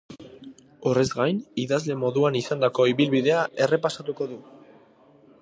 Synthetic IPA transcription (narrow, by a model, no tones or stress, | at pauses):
ore̞zɡajniðazle̞mo̞ðuanisand̪ako̞iβilβiðe̞aʔe̞re̞pasat̪uko̞ðu